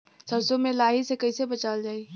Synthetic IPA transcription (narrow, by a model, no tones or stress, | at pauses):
səsomelaɦisekəɪsebət͡ʃald͡ʒaːi